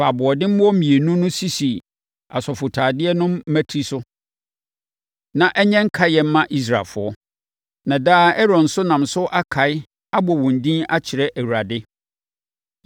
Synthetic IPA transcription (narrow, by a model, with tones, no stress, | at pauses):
fa˨bʊ˨ɔ˨dɪ̃˦m̩˦ɔ˦ĩ˨e˨nũ˦nʊ̃˦si˦si˨ | a̰˨sɔ˨fʊ˨tʰaː˨dɪ˦ɛ˦nʊ̃˦mː˦æ˦tʰi˦sʊ˦ | nã˨ʔɛ˦ɲɛ̃˦ŋ̩˦kʰa˦jɛ˨m̩˦mã˦ʔi˦s̬ɾa˨fʊ˨˦ɔ˦ | nã˨daː˦ɛ˦ɾɔ̃˨n̩˨sʊ˦nã˨msʊ˦ʔa˦kʰa˨ɪ˦ | a˦bɔ˨wɔ̃˨n˨dĩ˦na˦t͡ɕʰɪ˨ɾɛ˦ʔæ˨wu˨ɾa˨dɪ˦